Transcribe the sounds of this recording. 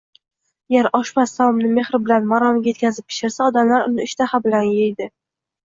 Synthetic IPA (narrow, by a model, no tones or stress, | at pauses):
jeɾɒʃmasːawɒmnɪme̞χɾɪbɪlanmaɾɒmɡʲaje̞t̪kʲʰazɪp̚ːʰɪ̥ʃɪɾsaɒd̪amlaɾʊ̰nɪɪʃt̪ʰahabɪlanjejd̪ɪ